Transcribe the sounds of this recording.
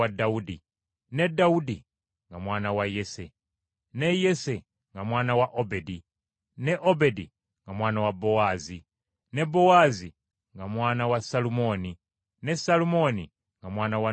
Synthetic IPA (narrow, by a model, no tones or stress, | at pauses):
adːaudi | ne̞dːaudi | ŋɡamwaːnawaje̞se̞ | ne̞je̞se | ŋɡamwaːnawaʔobedi | ne̞ʔobe̞dḭ | ŋɡamwaːnawabːo̞waːzi | ne̞bːo̞waːzi | ŋɡamwaːnawasalumo̞ːni | ne̞salumo̞ːni | ŋɡamwaːnawa